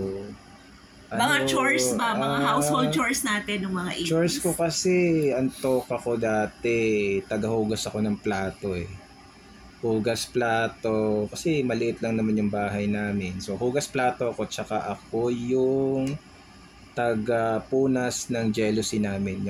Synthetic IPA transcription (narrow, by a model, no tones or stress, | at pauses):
ʔɐnmɐŋat͡ʃoɹsbaɐaahawsholdt͡ʃoɹsnaːt̪ɛnːʊŋmɐŋaʔit͡ʃoɹskokɐsɛʔɐnt̪o̞ːkɐko̞d̪aːt̪ɛt̪ɐɡɐhuːɡɐsɐko̞nɐŋplaːt̪o̞ɛ | huːɡɐsplaːt̪o̞kɐsɛmɐlɪʔɪt̪lɐŋnɐmanjʊŋbaːɦɐjnaːmɛnso̞huːɡɐsplaːt̪o̞ʔɐko̞t͡ʃɐkaʔɐko̞jʊŋ | t̪ɐɡɐpuːnɐsnɐŋd͡ʒɛlʊsinaːmɪn